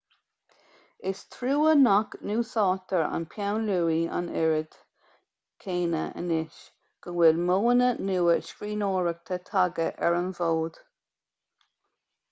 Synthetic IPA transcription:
ɪst̪ʰɾuːənaknuːsɑːt̪əɹa̰npʰjawnluːia̰nɛɹəd̪̥ | kʰeːnə̰ʔə̰nɪʃ | ɡ̥ənwɪlmoːnənuːəʃkɹiːnoːɹək̚t̪ʰət̪ʰaɡəʔɛ̰ɹənvoːd̪̥

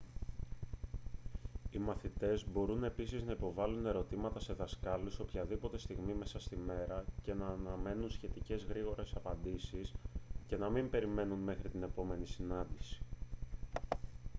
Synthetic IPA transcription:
imɐθit̪e̞zbo̞ɾune̞pisiznɐipo̞vɐlune̞ɾo̞t̪imɐt̪ɐse̞ðɐskɐlusopçɐðipo̞t̪e̞st̪iɣmime̞sɐst̪ime̞ɾɐce̞nɐːnɐme̞nunsçe̞t̪ice̞zɣɾiɣo̞ɾe̞sɐpɐnd̪isisce̞nɐmimbe̞ɾime̞nunme̞xɾit̪ine̞po̞me̞nisinɐnd̪isi̥

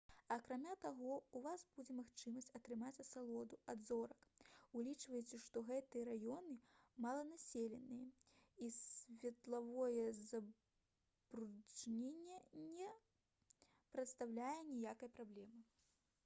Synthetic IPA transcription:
ɐːkɾamʲat̪aɣɔuvasb̥ud͡zʲɛmaxt͡ʂɨmɐsʲt͡sʲɐt̪ɾɨmat͡sʲɐt̪salˠɔd̪uad̪zɔɾɐkulʲit͡ʂvɐjɛt͡sʲɛʂt̪ɔɣɛt̪ɨjɐɾajɔnɨmalˠɐnasʲelʲɛnɨjɐisvʲɛt̪lˠavɔjɛzɐ | bɾut͡ʂnʲenʲːɛnʲɛ | pɾɐt̪st̪awlʲajɛnʲijakɐjpɾablʲɛmɨ

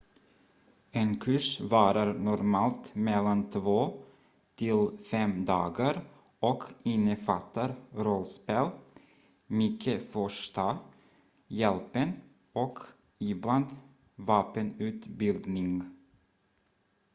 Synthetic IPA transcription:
enkʰʉʂvɑːɾaɾnɔɾmɑːlt̪mɛlːant̪ʰvoː | t̪ʰɪlfɛmd̪ɑːɡəɾ | ɔkʰɪnːəfat̪ːəɾɾɔlspeːl | mʏkʰːəfɔʂta | jɛlpən | ɔk | ɪbland̪ | vɑːpənʉ̟ːt̪bɪld̪nɪŋ

